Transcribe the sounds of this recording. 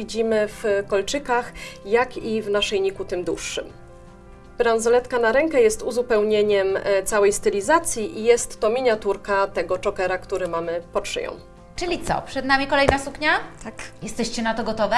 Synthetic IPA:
id͡ʑimɘfkɔlt͡ʂɘkaxjakivnaʂɛjɲikut̪ɘmd̪wṵʂːɘ̰m | b̥ɾanzɔlɛt̪kanaɾɛŋkɛjɛst̪uzupɛwɲeɲɛmt̪sawɛjst̪ɘlʲizat̪sʲjiʔijɛst̪ːɔmʲiɲat̪uɾkat̪ɛɡɔt͡ʂɔkɛɾakt̪uɾɘmamɘpɔtʂɘ̰jɔ̰̃w̃ | t͡ʂɘlʲit̪sɔ̰pʂɛd̪namʲikɔlɛjnasukɲat̪akjɛst̪ɛɕt͡ɕɛnat̪ɔɡɔt̪ɔvɛ

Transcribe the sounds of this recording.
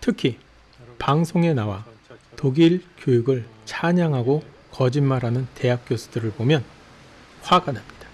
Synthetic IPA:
tʰɯkʰi | paŋsʰoŋe̞nawatoɡiɭkjojuɡɯɭt͡ɕʰaɲaŋɦaɡo | kʌd͡ʑinmaɾɦanɯnte̞ɦak̚k͈josʰu̥dɯɾɯɭbomjʌn | ɸwaɡanɦamɲid̥ḁ

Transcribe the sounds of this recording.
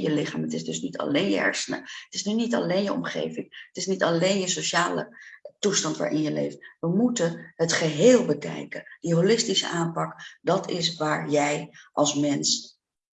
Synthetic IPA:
jəlɪχaːmətɪsdɵsnitʰɑ̰lejnjə̰ɛ̰ɹsənə̰ətɪsnynitɑ̰lejnjəʔɔ̰mχḛjvɪŋətɪsnitɑlejnjəsowʃaːlə̰tustɑntʋa̰ːɹʔɪnjəlḛjftʋəmutənɦətχəɦeːlˠbəkɛ̰jkəndəɦolɪstisə̰ʔaːmpɑkdɑtɪsʋaːɹjɛjʔɑlˠsmɛns

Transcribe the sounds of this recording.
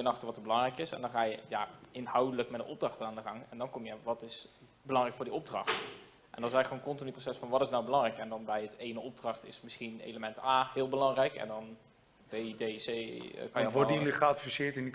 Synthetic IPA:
ənɑχtərʋɑtəbəlɑŋrɛjkɪsɛ̰ndɑnχaːjəjaɪnhʌwdələkmɛt̚dəʔɔb̚drɑχtənaːndəχɑŋɛndɑnkɔmjəʋɑtɪs | bəlɑŋrɛjkfʊːɹdiɔb̚drɑ̰χt | ʔɛ̰ndɔtɪsɛɣəkonkɔntɪnyprosɛsfɑnʋɑtɪsnawbəlɑŋrɛjkɛndɑnbɛjətejnəɔb̚drɑχtɪ̰smɪsχinnḛjləmɛntaːɦɪːlˠbəlɑŋrɛjkɛ̰ndɑn | bejdesḛkɑjəʋɔliχtfisɪːɹtɪndi

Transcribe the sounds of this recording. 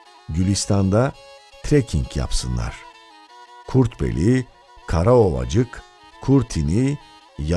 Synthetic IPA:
ɟylʲist̪ʰand̪at̪ʰɾecʰiŋcja̰psɯnlˠa̰ɾ̥ | kʰuɾt̪bḛlʲi | kʰaɾao̞lˠa̰d͡ʒɯk | kʰːuɾt̪ʰini | ja

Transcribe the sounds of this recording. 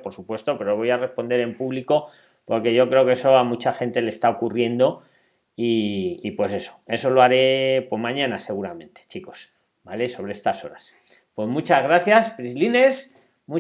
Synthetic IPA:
po̞ɾsupwe̞st̪o̞pe̞ɾoβo̞jare̞spo̞nd̪e̞ɾe̞mpuβliko̞ | po̞ɾke̞ʝo̞kɾe̞o̞ke̞so̞amut͡ʃaxe̞nt̪e̞lest̪ao̞kurje̞nd̪o̞ | iːpwe̞se̞so̞̥e̞so̞loaɾe̞pwe̞zmãɲãnase̞ɣ̞uɾamẽ̞nt̪e̥t͡ʃiko̞̥s | bale̞so̞βɾeest̪aso̞̰ɾas | pwe̞zmut͡ʃazɣɾaθjaspɾizline̞s | mu

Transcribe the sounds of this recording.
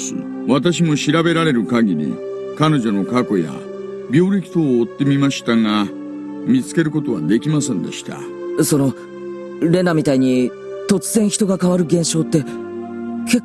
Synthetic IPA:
βat̪aɕ̬imo̞ɕiɾabe̞ɾaɾe̞ɾɯ̟kaɡʲiɾʲḭ | kano̞ʑo̞no̞kako̞ja̰ | bʲo̞ːɾʲikʲi̥t̪oːt̪ːe̞mʲimaɕi̥t̪aŋa | mʲit͡sɨ̥ke̞ɾɯ̟ko̞t̪o̞βa̰d̪e̞kʲimasẽ̞nd̪e̞̰ɕi̥t̪a̰ | so̞no̞ | ɾe̞nːamʲit̪aiɲ̟i | t̪o̞t͡sɨzẽɰ̃çi̥t̪o̞ɡakaβaɾɯ̟ɡẽ̞ɰ̃ɕo̞ːt̪ːe̞ | ke̞k

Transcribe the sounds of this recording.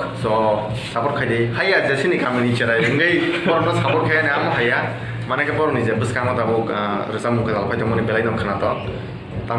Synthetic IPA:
sɔ | sabɔɾkʰajdehajazesinikʰamɯnit͡ʃeɾajɯŋɡɯjpɔɾɔnɔsabɔɾkʰajaneamɔɦaja | manakʰapɔɾɔnizebɯskamatabɔɾɯsamuŋkʰazalapʰajtɔmɔnibelajnamkʰanatɔ | ta

